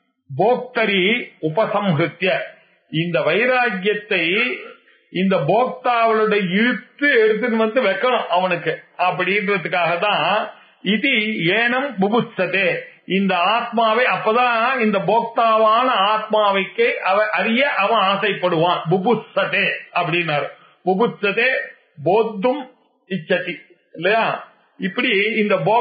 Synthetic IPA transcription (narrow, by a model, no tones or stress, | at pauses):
boːk̚t̪ɐɾiʊbɐsɐmkɾɯt̪jɐ | ɪnd̪ɐʋɐjɾaːɡjɐt̪ːɐɪ | ɪnd̪ɐboːk̚t̪aːʋɐlɯɽɐɪɻɯt̪ːɯɛɾɯt̪̬ːɯnɯʋɐnd̪ɯʋɛkːɐɳʊ̃ʔɐʋɐnɯkːɯɐpːɐɽɪnrɐðɯkːaːɣɐt̪ːãː | ɪt̪ieːnɐmbʊbʊsɐt̪eːɪnd̪ɐaːt̪̚maːʋɐɪɐpːoːt̪ãːɪnd̪ɐboːk̚t̪aːʋaːnɐaːt̪̚maːʋɐɪkːɐɐʋɐ̃ʔɐɾɪjɐʔɐʋɐ̃aːsɐɪpːɐɽɯʋãːbʊbʊsɐt̪eːɐpːɐɽɪnːaːɾɯ | bʊbʊsɐt̪eː | boːd̪ːɯm | ɪt͡ʃːɐt̪ːi | ɪlːɐjaː | ɪpːɐɽiɪnd̪ɐboː